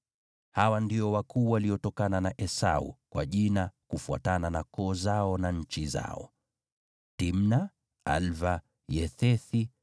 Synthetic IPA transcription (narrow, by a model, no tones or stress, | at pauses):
hawandiɔwakuːwaliɔtɔkananaʔɛsa̰ṵkwa̰ʄinakufua̰tananakɔːzaɔnaɲ̩t͡ʃiza̰ɔ̰ | tim̩na | a̰lva | jɛθɛθi